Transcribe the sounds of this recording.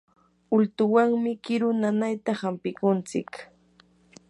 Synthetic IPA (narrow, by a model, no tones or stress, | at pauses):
ʊlt̪ʊwaŋmɪkɪɾʊnanajt̪ahampɪkʊnt͡sɪ̰k